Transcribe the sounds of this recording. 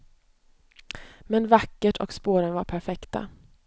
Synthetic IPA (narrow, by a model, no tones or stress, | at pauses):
mɛnvakːəʈʰɔ̰kspoːɾənvaɾpʰæɾfɛkt̪a̰